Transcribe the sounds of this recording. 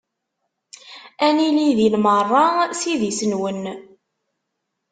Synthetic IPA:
æniliðilmərˤːɑsiðisənwən

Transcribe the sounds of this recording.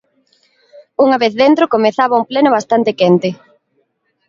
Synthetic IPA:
uŋɐβeθðent̪ɾokomeθaβaumplenʊβ̞ast̪ant̪ɪkɛnt̪ɪ

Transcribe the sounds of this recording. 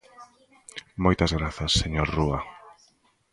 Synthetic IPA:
mojt̪ɐzɣɾaθɐsːeɲoɾruɐ

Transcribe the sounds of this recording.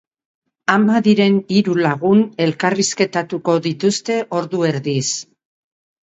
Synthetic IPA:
amaðiɾe̞niɾulaɣ̞une̞lkariske̞t̪at̪uko̞ðit̪ust̪e̞ʔo̞ɾðue̞ɾðis

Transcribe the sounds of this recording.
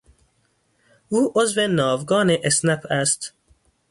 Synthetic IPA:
ʔuːʔozvenɒːvɡɒːneʔesnæpʰæst̪

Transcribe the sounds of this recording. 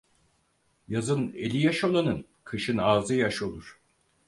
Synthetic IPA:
jazɯnḛlʲijaʃolˠanɯn | kʰɯʃɯnaːzɯjaʃo̞lˠuɾ̥

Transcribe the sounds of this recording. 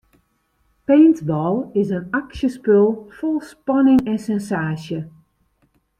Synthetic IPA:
peːntbɔlˠɪsənaksjəspølˠfɔlˠspɑnɪŋɛnsɛnsaːsjə

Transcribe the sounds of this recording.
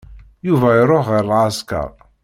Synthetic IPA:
juvæjəɾˤoχːiɾlʕaskɑ̰ɾˤ

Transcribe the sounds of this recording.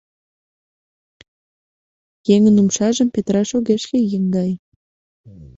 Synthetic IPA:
jeŋə̆numʃɑʒə̆mpet̪rɑʃoɣeʃkʲejəŋɡɑj

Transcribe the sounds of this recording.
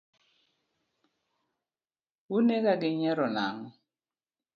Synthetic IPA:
unekaɡɪɲɛɾɔnaŋɔ

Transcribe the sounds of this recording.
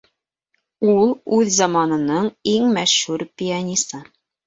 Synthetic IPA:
ulˠʉðzɑmɑnɤ̆nɤɴiŋmæʃhʉɾpʲianʲist̪ɤ

